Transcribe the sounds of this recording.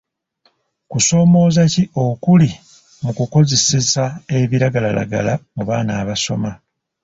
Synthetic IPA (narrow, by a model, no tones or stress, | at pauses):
kuso̞ːmo̞ːzaciʔo̞kuli | mukuko̞ze̞sesae̞βiɾaɡalala̰ɡa̰lamuβaːnaːβaso̞̰ma